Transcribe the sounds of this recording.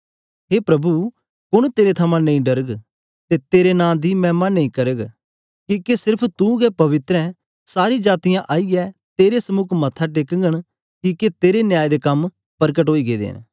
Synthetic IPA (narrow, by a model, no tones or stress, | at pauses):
ɦeːpɾɐbu | kʊɽ̃t̪eːɾet̪ʰɐmãnɐ̃ĩɖɐɾəɡ | t̪et̪eːɾenãːd̪imɛ̃ːmanɐ̃ĩkɐɾəɡ | kiːkesɪɾpʰt̪ũɡɛpɐʋɪt̪ɾɛ̃ | saːɾid͡ʒaːt̪ɪjãʔaːiɡɛt̪eːɾesɐmʊkʰmɐt̪ʰaʈeːkəŋɡəɽ̃ | kiket̪eːɾenjaːjd̪ekɐm | pɐɾkəʈɦoːiɡeːd̪ḛːn